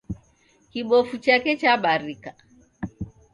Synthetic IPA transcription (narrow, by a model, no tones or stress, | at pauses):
kiɓɔfut͡ʃakɛt͡ʃaɓaɾika